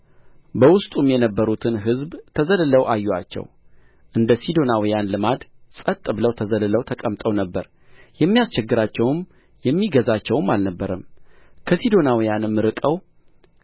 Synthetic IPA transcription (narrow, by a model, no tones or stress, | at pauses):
bəwʊst̪ʼumjɛnəbːəɾut̪ʰɨnɦɨzbt̪ʰəzəlɨləwʔajːua̰t͡ʃːɛ̰w | ʔɨnd̪əsid̪o̞nawijanlɨmad̪sʼət̪ʼːɨbɨləwt̪ʰəzəlɨləwt̪ʰəkʼəmt̪ʼəwnəbːəɾ | jɛmːijast͡ʃɛɡːɨɾat͡ʃːɛwm | jɛmːiɡəzat͡ʃːɛwmːalnəbːəɾəmkʰəsid̪o̞nawijanɨmːɨɾɨkʼəw